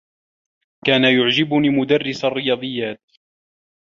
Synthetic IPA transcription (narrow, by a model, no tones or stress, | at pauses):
kkaːnajʊʕd͡ʒɪbʊniːmʊd̪arːɪsarːɪjɑːd̪ˤɨjːaːt̪̚